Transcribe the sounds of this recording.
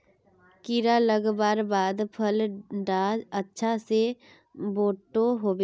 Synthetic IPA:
kɪɾaləɡbaːɾbaːd̪pʰəlɖaːd͡ʒətːʃʰase | boːʈoɦoːbeː

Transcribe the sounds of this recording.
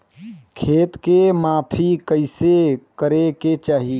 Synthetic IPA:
kʰeːt̪kemaːpʰikəɪsekəɾeket͡ʃaːɦi

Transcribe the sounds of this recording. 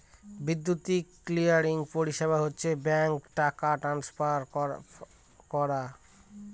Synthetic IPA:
bid̪ːut̪iklijaɾiŋpoɾiʃebʱaɦotːɕʰebɛŋkʈakaʈɾanspaɾ | kɔɾa

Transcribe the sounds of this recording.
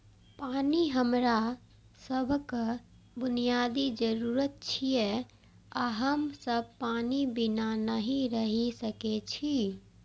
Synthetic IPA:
paːniɦəmɾa | səbʱkə | bʊnijaːd̪id͡ʒəɾuːɾət̪̚t͡ʃʰije | aɦəmsəb̚ʱpaːnibɪnanəɦĩɾəɦisəket͡ʃʰi

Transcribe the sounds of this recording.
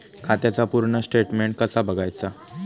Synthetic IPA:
kʰat̪jat͡sapuɾɳəsʈeʈmeɳʈ̚kəsabəɡajt͡sa

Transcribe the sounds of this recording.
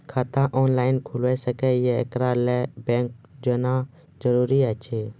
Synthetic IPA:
kʰat̪ãːʔoːnlaːɪnkʰʊlʋeːsəkɛjeɪ̰kɾaːlɛbẽːŋk̚d͡ʒoːnaː | d͡ʒəɾuːɾiːat͡ʃʰeː

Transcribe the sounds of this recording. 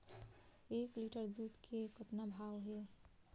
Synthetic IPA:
ekliʈəɾd̪ut̪kʰekət̪nabʱawɦe

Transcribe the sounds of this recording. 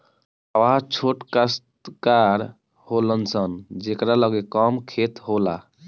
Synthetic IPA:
əʋat͡ʃʰoʈkəst̪kaɾ | holənsənd͡ʒekɾaləɡekəmkʰet̪ɦola

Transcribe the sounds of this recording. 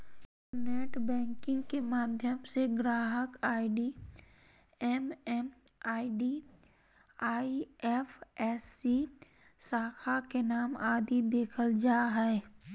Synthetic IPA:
neːʈbɛ̃ːŋkɪ̃ŋɡkemaːd̪ʱjəmseɡɾaːɦəkaːiɖi | ɛmɛmaːiɖi | aːiɛpʰɛːsːi | saːkʰakenaːmaːd̪id̪eːkʰəld͡ʒaːɦɛe

